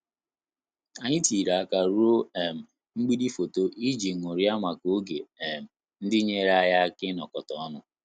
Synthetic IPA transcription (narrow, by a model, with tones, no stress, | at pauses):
a˨ɲɪ˦ti˨ɾa˨a˦ka˦ɾu˦o˦ɛ˨m̩˨ | ŋ͡m̩˦ɡ͡bi˦di˦fo˨to˦ʔi˦d͡ʒi˨ŋʷo˨ɾi˦a˦ma˨ko˦ɡe˨e˨m̩˨ | n̩˦dɪ˦ɲe˦ɾa˦ja˦kɪ˦nɔ˨kɔ˨tɔ˨˦nʊ˦